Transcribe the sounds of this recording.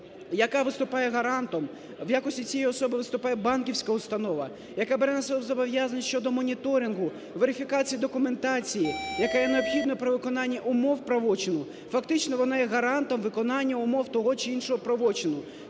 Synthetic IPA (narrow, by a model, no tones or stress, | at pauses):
jɐkɑʋɪst̪ʊpɑjɛɦɐɾɑnt̪ɔm | wjakɔsʲtʲit͡sʲijɛjiɔsɔbɪʋɪst̪ʊpɑjɛbɑnkʲiwsʲkɐʊst̪ɐnɔʋɐ | jɐkɑbɛɾɛnɐsɛlɔzɔbɔʋjazɐnʲʃt͡ʃɔd̪ɔmɔnʲit̪ɔɾʲinɦʊ | ʋeɾɪfʲikɑt͡sʲijid̪ɔkʊme̞nt̪ɑt͡sʲijijɐkajɛneɔbxʲid̪nɔpɾɔʋɪkɔnɑnʲːɐʔʊmɔwpɾɐʋɔt͡ʃɪnʊ | fɐkt̪ɪt͡ʃnɔʋɔnɑjɛɦɐɾɑnt̪ɔmʋɪkɔnɑnʲːɐʊmɔwt̪ɔɦɔt͡ʃɪinʃɔɦɔpɾɐʋɔt͡ʃɪnʊ